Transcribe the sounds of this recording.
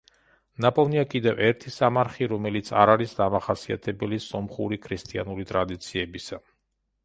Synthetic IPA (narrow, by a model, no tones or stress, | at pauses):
napʼɔniakʼid̪ɛvɛɾt̪ʰisamaɾχiɾɔmɛlit̪sʰaɾaɾisd̪amaχasia̰t̪ʰɛbɛlisɔmχuɾikʰɾist̪ʼia̰nuɾit̪ʼɾad̪it̪sʰiɛbisa